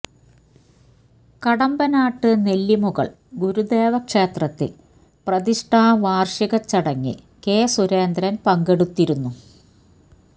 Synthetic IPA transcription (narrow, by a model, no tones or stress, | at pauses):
kɐɽɐmbɐnaːʈːɨne̞lːimuɣɐ̰ɭ | ɡuɾud̪e̞ːʋɐkʂe̞ːt̪rɐt̪ːɨ̰ | prɐðiʂʈʰaːʋaːrʂiɣɐt͡ɕːɐɽɐŋːḭ | keːsuɾeːnd̪ɾɐnpɐŋɡe̞ɽut̪ːiɾunːu